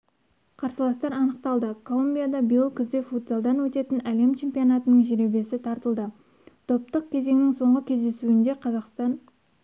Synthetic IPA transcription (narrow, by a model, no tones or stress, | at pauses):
qʰɑɾsəlˠɑst̪ɑɾɑnəqt̪ɑlˠd̪əkʰolˠumbʲijad̪ɑbijəlˠkʲʰʏzd̪efut̪̚bolˠd̪ɑnwɵt̪e̞t̪ɪnæle̞mt͡ʃʰe̞mpijo̞nɑt̪ənəɴʒeɾe̞be̞sɪt̪ʰɑɾt̪əlˠd̪ə | t̪ʰo̞p̚t̪əq̚kʲʰe̞ze̞ŋnɪŋso̞ɴʁəkʲʰe̞zd̪e̞suɪnd̪e̞qʰɑzɑqst̪ɑn